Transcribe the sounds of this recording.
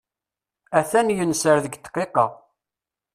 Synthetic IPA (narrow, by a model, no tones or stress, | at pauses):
æθænjənsəɾðəɡt̪ːqːeqɑ